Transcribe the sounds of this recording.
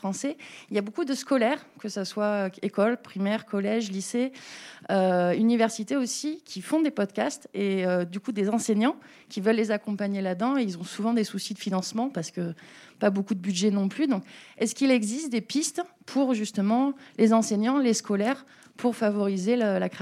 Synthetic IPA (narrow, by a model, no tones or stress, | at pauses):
fχɑ̃sɛiljabokud̪əskɔlɛʁkəsaswaøekɔlpχimɛʁkɔlɛʒlise | øynivɛʁsit̪eosikʲʰifɔ̃d̪epɔd̪kʲast̪eød̪ykud̪ezɑ̃seɲɑ̃ | kʲivœlːezakɔ̃paɲelad̪ɑ̃eilzɔ̃suvɑ̃d̪esusid̪əfinɑ̃smɑ̃paʁsə̥kəpabokud̪əbyd̪ʒɛnɔ̃plyd̪ɔ̃kɛskilɛɡzist̪̚d̪epist̪pʰuʁʒyst̪əmɑ̃lezɑ̃seɲɑ̃leskʰɔlɛʁ | pʰuʁfavɔʁizeləlak